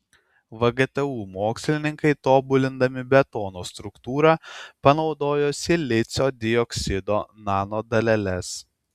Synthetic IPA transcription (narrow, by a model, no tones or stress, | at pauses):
ʋɐɡɛt̪ɛuːmoːksʲlʲɪnʲɪŋkɐɪt̪oːbʊlʲɪnd̪ɐmʲɪbʲɛt̪oːnoːst̪ɾʊkt̪uːɾɑpɐnɒʊd̪oːjoːsʲɪlʲɪt̪sʲoːd̪ʲɪjɔksʲɪd̪oːnɑːnoːd̪ɐlʲɛlʲɛs